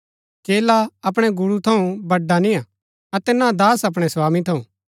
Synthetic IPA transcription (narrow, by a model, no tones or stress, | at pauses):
keːlaɐpɽ̃ɛɡʊɽut̪ʰɐũbɐɖːanĩja | ɐt̪ɛnãd̪aːsɐp̬ɽ̃ɛswaːmĩt̪ʰɐũ